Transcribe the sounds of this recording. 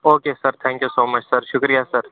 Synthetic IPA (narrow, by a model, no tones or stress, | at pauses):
oːkeːsɐɾt̪ʰɛ̃ːŋkjusoːmɐt͡ʃsɐɾʃʊkɾijasɐɾ